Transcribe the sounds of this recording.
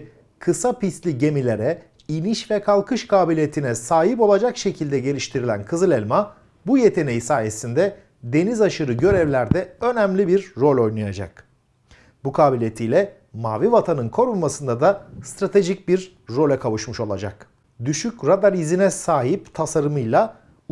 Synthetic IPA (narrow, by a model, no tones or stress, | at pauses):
kʰɯsapislʲiɟe̞milʲe̞ɾɛ | iniʃvɛkʰalˠkʰɯʃkʰaːbilʲijet̪ʰinɛsaːɦipo̞lˠad͡ʒakʃe̞cʰilʲd̪ɛɟe̞lʲiʃt̪ʰiɾilʲænkʰɯzɯlʲɛlʲma | buje̞t̪ʰe̞ne̞jisaːje̞sind̪ɛ | d̪e̞nizaʃɯɾɯɟø̞ɾɛvlʲæɾd̪ɛø̞næmlʲibiɾːo̞lʲo̞jnajad͡ʒa̰k | bukʰaːbilʲjet̪ʰijlʲɛ | maːvivat̪ʰanɯnkʰo̞ɾulmasɯnd̪ad̪ast̪ɾat̪ʰe̞ʒic̚biɾː | o̞lʲɛkʰavɯʃmɯʃo̞lˠa̰d͡ʒa̰k | d̪yʃycɾad̪aɾizinɛsaːɦipt̪ʰasaɾɯmɯjlˠa